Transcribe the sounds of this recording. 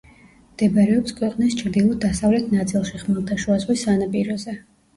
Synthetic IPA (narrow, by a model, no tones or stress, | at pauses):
md̪̥ɛbɾɛɔpskʰwɛqʼnist͡ʃʰɾd̪ilˠɔd̪asavlɛt̪ʰnat̪sʼilˠʃiχmɛlˠt̪ʰaʃuazʁwisanapʼiɾɔzɛ